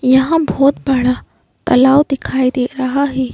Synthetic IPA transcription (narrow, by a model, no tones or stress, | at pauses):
jɐɦãbʱɔːt̪̚bɐɽ̤a | t̪ɐlaːʋd̪ɪkʰaːid̪eːɾɐɦaɦɛː